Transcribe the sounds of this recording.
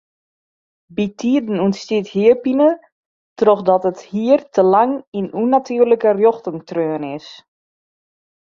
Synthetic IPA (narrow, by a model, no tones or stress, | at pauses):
bitʰiədn̩uənstithiəpinə | trɔxdɔtəthiərtʰəlaŋinunatʰyːrləkərjoxtəŋtrøːnɪs